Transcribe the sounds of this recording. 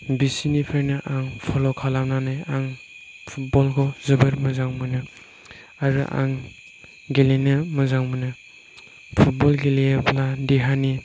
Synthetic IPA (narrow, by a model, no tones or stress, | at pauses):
bisinipʰeɾnɯʔaŋpʰɔlɔkʰalamnanajaŋ | pʰut̚bɔlkʰɔzɯbɯɾmɐzaŋmɯnɯ | aɾṵʔa̰ŋ | ɡelenɯmɯzaŋmunɯ | pʰut̚bɔlɡelejapʰladeɦani